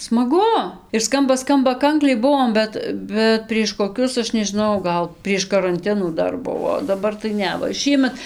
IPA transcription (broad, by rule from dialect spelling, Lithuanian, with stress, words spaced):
smɐˈɡʊ ɪr ˈskɐmbɐ ˈskɐmbɐ ˈkɐŋklʲɛɪ ˈbʊʋoːm ˈbʲɛt bʲɛt pʲrʲiɛʃ koːˈkʲʊs ˈɐʃ nʲɛʒʲɪˈnɐʊ ˈɡɐlˠ pʲrʲiɛʃ kɐrɐnʲˈtʲɪnuː ˈdɐr ˈbʊʋoː oː dɐˈbɐr tɐɪ ˈnʲɛ ʋɐ ˈʃʲiːmʲɛt